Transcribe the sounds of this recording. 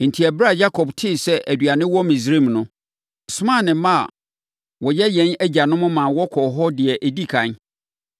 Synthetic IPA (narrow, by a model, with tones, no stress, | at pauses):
n̩˨tʰi˨æ˨bɾa˦˨ja˦kʰɔ˨btʰɪ˦˨sɛ˦ʔæ˨dɥa˨nɪ̃˦wɔ˦mĩ˨s̬ɾe˦˨mnʊ̃˦ | sʊ˦mã˦˨nɪ̃˨mã˦a̰˨ | wɔ˨jɛ˦jɛ̃˨˦næ˦d͡ʑa˨nʊ̃˦mʊ̃˦mã˨wɔ˦kʰɔ˨ɦɔ˦dɪ˨ɛ˨ʔæ˨di˦kʰã˨n